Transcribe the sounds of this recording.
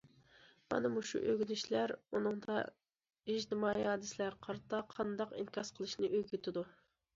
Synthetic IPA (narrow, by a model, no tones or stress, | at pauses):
mɑ̰nɨmuʃṵʔøɡʲyd̪ɪʃlæɾunɨŋd̪ɑ̰ | id͡ʒt̪ɪmɑːihɑːd̪ɪsɪlæɾqʰɑɾt̪ɑqʰɑnd̪ɑqḭnkʲʰɑsqʰəlˠɨʃnɨʔøɡʲyt̪ʰɪd̪u